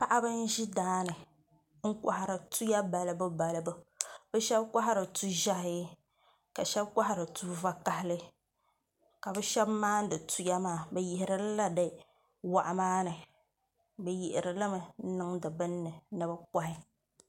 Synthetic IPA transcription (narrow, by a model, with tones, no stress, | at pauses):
pa˦ʔa˦bɨ˦n̩˦ʒi˦daː˦nɨ˨ | ŋ̩˦kʷa̰˨ha˨ɾɨ˨tu˦ja˦ba˨lɨ˨bɨ˦ba˨lɨ˨bɨ˦bɨ˦ʃɛ˦bkʷa˦ɦa˦ɾɨ˨tu˦ʒa˦hɪ˦ | ka˨ʃɛ˦bkʷa˦ha˦˨ɾɨ˨tu˦va˦ka˨hɪ˦lɨ˦ | ka˨bɨ˦ʃɛ˦bmaː˦n˦dɨ˨tu˦ja˦maː˦˨bɛ˨jɪ˨hɪ˨ɾɨ˦lla˦dɨ˨ | wa˨ʔa˨maː˦nɨ˨ | bɛ˨ji˨ʔɪ˨ɾɨ˨lɨ˦mɨ˨˦nɨ˦ŋdɨ˨bɨ˦nːɨ˨nɨ˦bɨ˦ka˦hɪ˦